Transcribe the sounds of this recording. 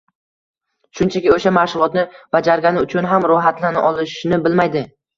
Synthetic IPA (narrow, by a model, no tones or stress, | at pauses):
ʃʊnt͡ʃʰakʲɪoʃamaʃʊlˠɒt̪nɪb̥ad͡ʒaɾɡʲanɪʊt͡ʃʰʊnɦamɾʊɦat̪lanɪʔɒlˠɪʃnɪbɪlmajd̪ɪ